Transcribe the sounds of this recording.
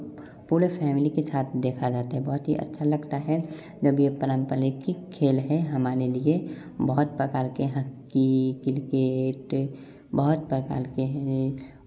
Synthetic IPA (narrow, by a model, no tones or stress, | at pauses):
puːɾefʰɛːmɪlikesaːt̪ʰd̪eːkʰad͡ʒaːt̪aɦɛbɔɦʊt̪ɦḭʔə̰tːʃʰalɐɡt̪aɦɛ | d͡ʒəbjepələ̃mpəlikikʰeːlɦɛɦɐmaːɾelie | bəɦʊt̪̚pɾəkaːlkeɦɐkːikɪlkeːʈ | bəɦʊt̪̚pɾəka̰ːlkeɦɛ̃